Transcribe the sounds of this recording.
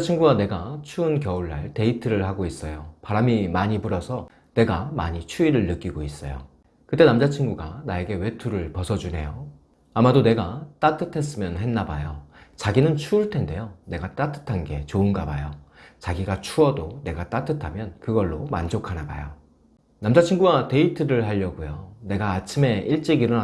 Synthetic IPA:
t͡ɕʰiŋɡuɡane̞ɡat͡ɕʰuɯnkjʌuɭːa̰ɭte̞itʰɯɾɯɭhaɡois͈ʌjopaɾamimaɲipuɾʌsʰʌ | ne̞ɡamaɲit͡ɕʰuiɾɯɭːɯk͈iɡois͈ʌ̰jo̰ | kɯt͈e̞namd͡ʑat͡ɕʰiŋɡuɡanae̞ɡe̞we̞tʰuɾɯɭpʌsʰʌd͡ʑunɦe̞̰jo | amadone̞ɡat͈atʰɯtʰe̞s̬͈ɯmjʌnhe̞nːabajot͡ɕaɡinɯnt͡ɕʰuːɭtʰe̞nde̞jone̞ɡat͈atʰɯ̥tʰanɡe̞t͡ɕoɯnɡabajot͡ɕaɡiɡat͡ɕʰuʌdone̞ɡat͈atʰɯtʰamjʌnkɯɡʌɭːoma̰nd͡ʑokʰanaba̰jo̰ | namd͡ʑat͡ɕʰiŋɡuɡate̞itʰɯɾɯɭɦaʎːʌɡujo̰ne̞ɡaːt͡ɕʰime̞iɭt͡ɕ͈iɡiɾo

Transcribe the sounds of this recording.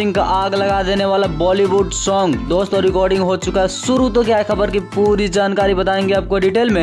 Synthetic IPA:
ɪ̃ŋkaʔaːɡlɐɡad̪eneʋalabɔːliʋuɖsɔːŋɡd̪ost̪ɔɾɪkɔːɾɖɪ̃ŋɡɦot͡ʃukaɦɛsuɾut̪okjaekʰəbəɾkipuɾid͡ʒaːnkaːɾibət̪aẽŋɡeaːp̚koɖiʈeːlmẽ

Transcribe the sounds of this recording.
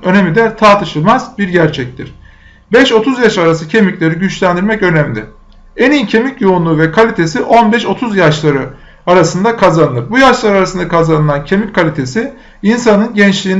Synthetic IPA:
ø̞ne̞mid̪ɛt̪ʰaɾt̪ʰɯʃɯlˠmazbiɾɟæɾt͡ʃʰɛc̚t̪iɾ̥ | bɛʃo̞t̪ʰuzjaʃaɾasɯcʰe̞miclʲe̞ɾiɟyt͡ʃlʲænd̪iɾmɛcø̞næmlʲɪ | enicʰe̞micjo̞unlˠuːvɛkʰalʲit̪ʰe̞siʔo̞nbɛʃo̞t̪ʰuzjaʃlˠaɾɯ | aɾasɯnd̪akʰazanɯlˠɯp̚bujaʃlˠaɾɯaɾasɯnd̪akʰazanɯlˠancʰe̞mickʰalʲit̪ʰe̞si | insanɯnɟɛnt͡ʃlʲiːn

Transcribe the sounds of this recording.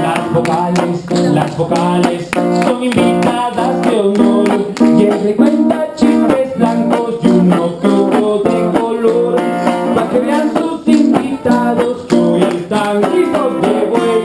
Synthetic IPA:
lazβokaleslazbokalesːoŋimbit̪aðazdewnoɾkjensekwent̪at͡ʃipezblaŋkozd̪unokut̪oðekoloɾesmakeβeansut̪ipit̪aðoskuest̪aŋkizozd̪eβo

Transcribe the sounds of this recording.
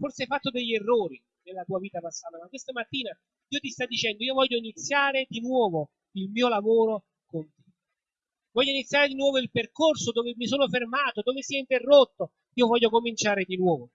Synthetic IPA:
forseajfat̪ːod̪eʎːerːoːɾi | nelːat̪uːaviːt̪apasːaːt̪amakːwest̪amat̪ːiːna | iːot̪ist̪ad̪ːit͡ʃɛnd̪oiːovɔʎːoinit̪sːjaːɾed̪inwɔːvo | ilmiːolavoːɾo | kont̪e̥ | vɔʎːoinit̪sːjaːɾed̪inwɔːvoilperkorsod̪oːvemisoːnofermaːt̪od̪oːvesiɛint̪erːot̪ːo | iːovɔʎːokomint͡ʃaːɾed̪inwɔːvo

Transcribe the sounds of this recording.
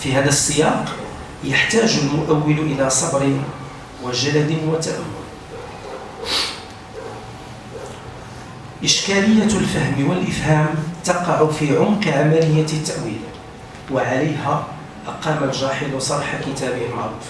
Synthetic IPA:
fiɦæd̪æsˤːəjɑq | jaħt̪æːʒʊlmʊʔæwːɪlʔɪlasˤɑbɾɪn | wəʒalæd̪ɪnwət̪ːaʔæ̰mːʊ̰l | ʔɪʃkæləjːælfæhmwəlʔɪfhæːmt̪ɑqɑʕʊfiʕʊmqʕamælɪjːat̪ːaʔwḭːl | waʕaləjhæ | ʔɑqɑmalʒɑħɪd̪wsˤɑɾˤħakɪt̪æbɪhalmɑʕɾˤṵf

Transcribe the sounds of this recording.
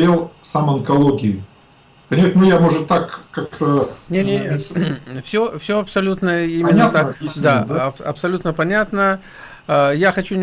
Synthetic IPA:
ɾʲelˠsamɐnkɐlˠoɡʲɪjʊ | pənʲɪmat̪ʲnʊjamoʐɨt̪ːakːak̚t̪ənʲenʲe | fsʲofsʲoɐpsɐlʲut̪nəimʲɪnːt̪asʲd̪ad̪ɐpɐ̰psɐlʲut̪nəpɐnʲat̪nə | jaxɐt͡ɕu

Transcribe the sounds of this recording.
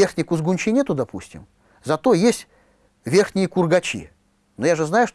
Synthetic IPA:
erxnʲɪkʊzɡʊnʲt͡ɕinʲet̪ʊd̪ɐpusʲtʲɪ̰m | zɐt̪o̞jesʲtʲ | vʲe̞rxnʲɪjəkʊrɡɐt͡ɕḭ | nojaʐɨznajʊʂt

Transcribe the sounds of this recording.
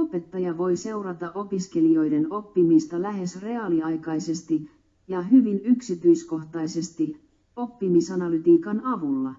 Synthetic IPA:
ope̞t̪ːɑjɑʋo̞jse̞urɑt̪ɑʔo̞piske̞lio̞jdeno̞pːimist̪ɑlæɦe̞sre̞ɑliɑjkɑjse̞st̪i | jɑɦyʋinyksit̪yjsko̞ht̪ɑjse̞st̪i | o̞pːimisɑnɑlyt̪iːkɑnɑʋulːɑ

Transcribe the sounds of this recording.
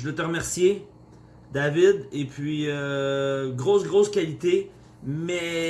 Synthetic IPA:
əd̪ɛt̪əʁəmɛʁsje | d̪avid̪epʰɥiø | ɡʁosɡʁoːskʲalit̪e | mɛ

